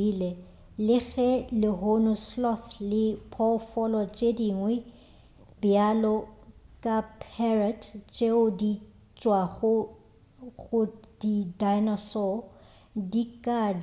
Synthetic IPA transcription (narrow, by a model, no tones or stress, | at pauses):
ilɛ | lɪɣɛlɪɦonʊslɔθlɪpʰɔfɔlɔt͡ʃʼediŋwɛ | bɪalɔkʼapʰɛratʰt͡ʃʼeʊdi | t͡ʃʼwaɣʊ | ɣʊd̥idajnɔsɔ | dikʼa